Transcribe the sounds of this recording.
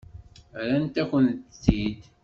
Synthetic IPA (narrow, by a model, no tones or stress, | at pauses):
ɾænt̪ækʷənθid̪